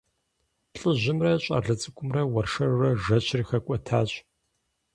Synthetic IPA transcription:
pɬʼɨʑɪmrɐɕʼɐ̰ɮɨt͡sʼɨkʷʼʊmrɐwɐrʂɐrrɐʒɐɕʰriːxɐkʷʼɔtʰaːɕʼ

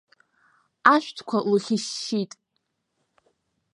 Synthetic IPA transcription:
aʃᶣʷtʰkʷʰawʊχʲɪʃːitʼ

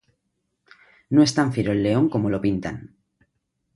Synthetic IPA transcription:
noe̞st̪aɱfiɾoelːe̞o̞ŋko̞molo̞pint̪a̰n

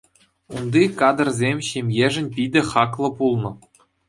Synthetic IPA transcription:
und̪ikɑd̪ɤ̆rzʲemʲɕemʲjeʐɘ̆nʲpʲid̪ʲɘ̆χɑklˠɤ̆pulˠnɤ̆

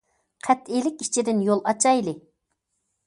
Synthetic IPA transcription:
qʰæt̪ilɪkʲi̥t͡ʃʰid̪ɪnjolˠɑt͡ʃʰɑjlɪ

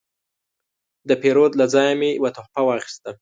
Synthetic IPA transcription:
d̪əpeɾod̪lad͡zɑjamewat̪ʊxpawɑxi̥st̪a

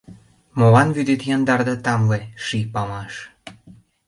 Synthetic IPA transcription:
molɑnβyd̪et̪jɑnd̪ɑrd̪ɑt̪ɑmleʃipɑmɑʃ

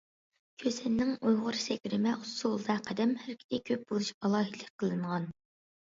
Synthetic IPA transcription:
kʲʰøsɪnːɪŋujʁʊɾsɛkʲɾɪmɛʔusuolˠd̪ɑqʰæd̪ɛmhæɾkʲʰi̥t̪ʰɪkʲʰøp̚bolˠuʃɑlˠɑːɦid̪lˠːɨk̚ʲqʰːəlˠɨɴʁɑn

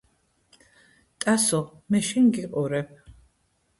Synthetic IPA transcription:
t̪ʼasɔ | mɛʃiŋɡiqʼɔɾɛp̚ʰ

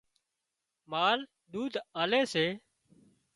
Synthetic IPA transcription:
maːl | d̪uːd̪ʱaːleːseː

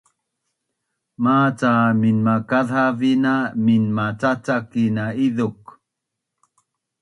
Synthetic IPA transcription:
mat͡saminmakaðavinaminmat͡sat͡sakinaiðuk

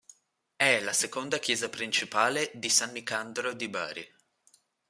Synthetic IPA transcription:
ɛlasekond̪akjɛːzapɾint͡ʃipaːled̪isanːikand̪ɾod̪iba̰ːɾḭ

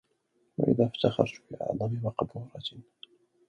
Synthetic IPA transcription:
wa̰ʔɪ̰ðaːfat̪axɑ̰ɾˤt̪bɪʔɑ̰ʕðˤɑmɪmɑqbuːɾˤɑt̪

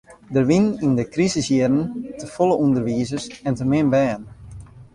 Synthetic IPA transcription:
dərʋinindəkrizəsjiədən̩təfoləundərʋiəzəsɛntərmɪnbɛːən

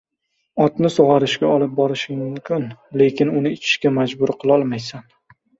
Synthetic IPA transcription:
ɒt̪nɪsoʁɑɾɪʃkʲaɒlɪp̚bɒɾɪʃɪŋmʊmkʲʰɪnle̞kʲɪnʊnɪɪt͡ʃʰɪ̥ʃkʲamad͡ʒbʊɾqʰɨlˠɒlˠmajsan

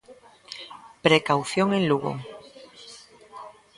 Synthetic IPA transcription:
pɾekawθjoŋẽnluɣo̰

